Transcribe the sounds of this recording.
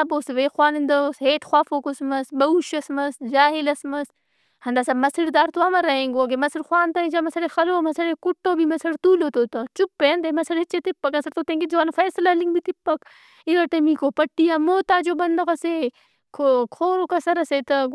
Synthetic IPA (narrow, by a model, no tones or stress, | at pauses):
ɐboːsʋeːxwaːnind̪ɐoːsɦeːt̪xwaːfoːkosmɐsbɐuʃɐsmɐsd͡ʒaːɦilɐsmɐs | hɐnd̪aːsamɐsiɾd̪aːɾt̪uɐmɐɾɐɦẽːŋɡoːɡemɐsiɾxwaːnt̪ɐit͡ʃamɐsɐɾexɐloːmɐsɐɽekuʈːoːbimɐsɐɽt̪uːlot̪oːt̪ɐt͡ʃupːend̪emɐsɐɽet͡ʃet̪ipːɐkɐsɐɾt̪oːt̪ẽːŋɡid͡ʒoaːnfɐːslaliŋɡbit̪ipːɐk | iɡɐɾt̪ɐmikoːpɐʈːijamoːt̪aːd͡ʒoːbɐnd̪ɐɣɐse | kʰokʰoːɾokɐsɐɾɐset̪ɐ